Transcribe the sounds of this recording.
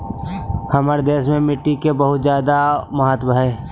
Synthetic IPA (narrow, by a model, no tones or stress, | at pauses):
hɐmaəɾd̪eːʃmẽmɪʈːikebɐɦʊt̪zjaːd̪amɐɦət̪bəɦɛː